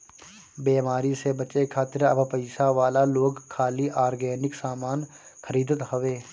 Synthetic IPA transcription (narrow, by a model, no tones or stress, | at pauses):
beːmaːɾisebət͡ʃekʰaːt̪ɪɾəbpəɪsaʋaːlaloːɡkʰːaːliʔaːɾɡɛːnɪksaːmaːn | xʰəɾiːd̪ət̪həʋeː